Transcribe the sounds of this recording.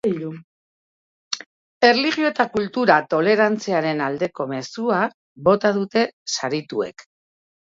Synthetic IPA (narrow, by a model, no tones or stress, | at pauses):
u | e̞rliɣjo̞et̪akult̪uɾat̪o̞le̞ɾant͡siaɾe̞nald̪e̞ko̞me̞sua | bo̞t̪aðut̪e̞saɾit̪ue̞̰k